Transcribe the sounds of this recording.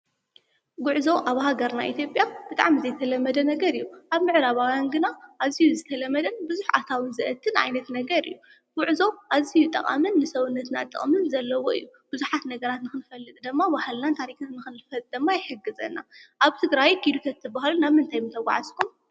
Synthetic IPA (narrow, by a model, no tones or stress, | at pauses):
ɡʊʕzo̞ʔaβɦaɡɐɾna̰ʔḭt̪ʰjo̞pʼjab̥ɨt̪ʼa̰ʕmizɐjt̪ʰɐlɐmːɐd̪ɐnɐɡɐɾijːuʔaβmɨʕɾaβawanɡɨnaʔazijuzɨt̪ʰɐlɐmːɐd̪ɐnbɨzuħa̰t̪ʰawɨnzɨʔɐt̪ʰːɨnʔa̰jnɐt̪nɐɡɐɾɨ̰jːu | ɡ̥ʊʕzo̞ʔazijut̪ʼɐ̰χʼa̰mɨnːɨsɐβɨnːɐt̪na̰t̪ʼːɨ̰χʼmɨnzɐlːɐwo̞ɨ̰ḭjːu | b̥ɨzuħat̪nɐɡɐɾat̪nɨxɨnfɐlːɨt̪ʼd̪ɨmːabahɨlnant̪ʰaɾiknanɨxɨnfɐt̪ʼd̪ɨmːajɪħɨɡːɨzɐ̰nːa̰ʔaβt̪ʰɨɡɾajɡʰid̪ut̪ʰɐt̪ːɨbahlunaβmɨnt̪ʰajmɨnt̪ʰɐɡʷa̰ʕaskʰum